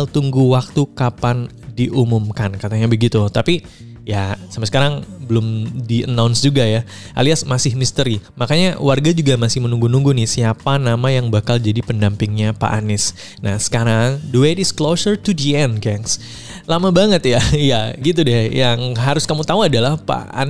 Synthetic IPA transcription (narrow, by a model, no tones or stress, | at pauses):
lt̪uŋɡuwak̚t̪ukapan | diʔumumkankat̪aɲabəɡit̪ut̪api | jasamasəkaɾaŋbəlʊmdiʔə̰nawnsd͡ʒuɡaja | ʔa̰liasmasɪhmist̪əɾimakaɲawarɡad͡ʒuɡamasɪhmənuŋɡunuŋɡunɪsiapanamajaŋbakald͡ʒadipəndampɪŋɲapa̰ʔanɪs | nahsə̥kaɾaŋdəwetɪsklosərtud͡ʒiɛnɡɛŋs | lamabaŋət̪jajaɡit̪̬udɛjaŋɦaɾʊskamut̪auadalahpa̰a̰n